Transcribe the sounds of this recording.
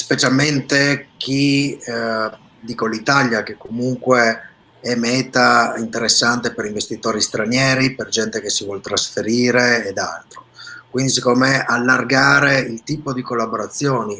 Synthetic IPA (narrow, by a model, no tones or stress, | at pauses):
spet͡ʃalment̪ek̟i | d̪iːkolit̪aljak̟ekːomuŋkwe | ɛmɛːt̪aint̪eɾesːant̪epeɾiɱvest̪it̪oːɾist̪ɾanjɛːɾiperd͡ʒɛnt̪ekesivwɔlt̪ɾasfeɾiːɾeːd̪a̰lt̪ɾokwind̪is̬ikːomeʔalːarɡaːɾeilt̪iːpod̪ikolːaboɾat̪sːjoːni